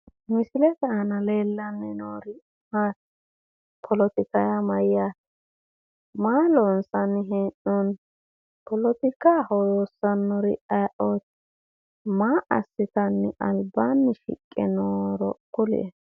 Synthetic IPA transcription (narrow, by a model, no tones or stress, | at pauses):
mɪsɪlɛt̪ɛɐnɐle̞ːlːɐnːɪnoːɾɪ | mat | pʰɔlɔt̪ɪkɐjamɐjːa | maːlɔnsɐnːɪɦɛnːɔn | pɔlɔt̪ɪkaːhɔjoːsːɐnːɔɾɪ̰ʔaʔoːt̪ | maːʔɐsːɪt̪ɐnːɪ̰ʔɐlbanːɪʃɪ̰kʼːɛnoːɾɔkʼːʊlɛ̰ɛ